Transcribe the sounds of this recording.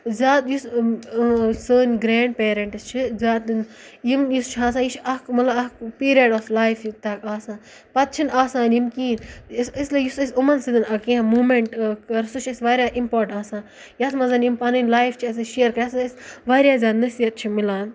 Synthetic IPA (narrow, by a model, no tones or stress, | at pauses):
zʲaːt̪jus | səːnʲɡɾeːɳɖ̚peːɾɐ̃ɳʈɨst͡ʃʰizʲaːt̪n | jimjust͡ʃʰɦaːs̬ãːjit͡ʃʰɐkmɐlɐɐkpiːɾijɐɖoːflaːjfjit̪aːkaːsãː | pɐt̪̚t͡ʃʰinaːsaːnjimkiːnsislijusɐsumɐnsid̪ɐnɐkĩãmuːmeɳʈkɐɾsut͡ʃʰɐsʋaːɾʲjaːʔimpoːɾʈaːsãː | jasmɐzɐnjimpɐnɐnʲlaːjft͡ʃʰiɐs̬iʃeːɾkɐaːsisʋaːɾʲjaːzʲaːt̪nɐsijɐt̪̚t͡ʃʰimilaːn